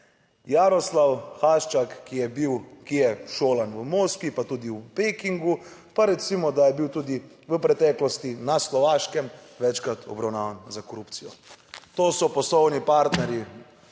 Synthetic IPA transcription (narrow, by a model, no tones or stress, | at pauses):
jaɾɔslawxaːʃt͡ʃakːijɛbiwkijɛʃoːlanʋəmoːskipat̪uːd̪iwpekiŋɡu | paɾɛt̪simɔd̪ajɛbiwt̪uːd̪i | ʋəpɾɛt̪ɛklɔst̪inaslɔʋaːʃkɛm | ʋɛt͡ʃkɾat̪ʰɔ̰bɾawnaːʋanzakɔɾupt̪sijɔt̪oːsɔpɔslɔwnipaɾt̪nɛɾji